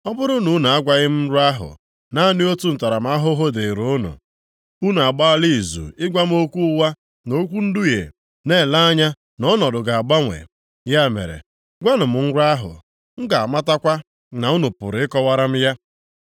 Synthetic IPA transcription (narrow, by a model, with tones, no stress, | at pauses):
ɔ˦bʊ˦ɾʊ˦nu˨˦n˨a˦ɡʷa˦ɣɪ˦m̩˦ɾa˦ɦʊ̰˨ | na˦nɪ˦o˦tu˦n̩˨ta˨ɾa˨m̩˦a˦ɦʊ˦ɦo˦de˨ɾu˨ʊ˦nʊ̰˨ | u˦n˨a˨ɡ͡ba˦li˦˨zṵ˨ɪ˦ɡʷa˦m˦o˦kʷu˦wa˦ | no˦kʷu˦n̩˦du˦jḛ˨ | ne˦˨la˦a˦ɲa˦ | nɔ˦nɔ˨dʊ˨ɡa˨a˨ɡ͡ba˦ŋʷḛ˨ | ja˦mḛ˨ɾḛ˨ | ɡʷa˦nʊ˨m̩˨˦ɾa˦ɦʊ̰˨ | ŋ̩˦ɡa˨a˨ma˦ta˦kʷa˦ | na˨u˦nu˨pʊ˨ɾɪ˦kɔ˦wa˦ɾa˦m̩˦ja˦